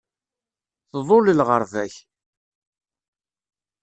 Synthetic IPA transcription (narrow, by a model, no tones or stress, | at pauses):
θðˤolilʁəɾˤvæç